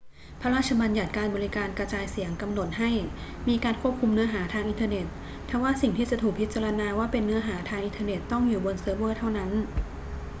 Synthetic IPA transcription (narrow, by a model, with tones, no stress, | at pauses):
pʰa˦˧ɾaː˥˩t̪̚t͡ɕʰa˧baː˧nja˨˩t̪̚kaː˧nbɔː˧ɾi˦˥kaː˧nkɾa˧t͡ɕaː˧jsi˩˦əŋka˧mno˨˩t̪̚ɦa˥˩jmiː˧kaː˧nkʰu˥˩əp̚kʰu˧mnɯ˦˥ɐɦaː˩˦t̪ʰaː˧ŋʔi˧nt̪ʰɤː˧ne˨˩t̪̚ːʰ | aː˧˩waː˥˩si˨˩ŋt̪ʰiː˥˩t͡ɕa˨˩t̪ʰuː˨˩k̚pʰi˦˥t̪t͡ɕaː˧ɾa˧naː˧waː˥˩pe˧nːɯ˦˥ɐɦaː˩˦t̪ʰaː˧ŋʔi˧nt̪ʰːne˨˩t̪ːɔ˥˩ŋjuː˨˩bo˧nsɤː˧bɤː˥˩t̪ʰa˥˩wna˦˥n